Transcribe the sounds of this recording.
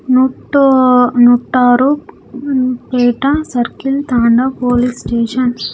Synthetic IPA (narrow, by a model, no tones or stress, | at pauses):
nuʈonuʈːaːɾu | peːʈɐsɐɾkilt̪aːɳɖɐpoːlisʈeːʂɐn